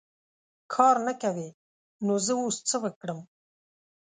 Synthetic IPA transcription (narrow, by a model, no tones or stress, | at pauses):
kʰɑɾnakawe | nozəost͡səwəkɽəm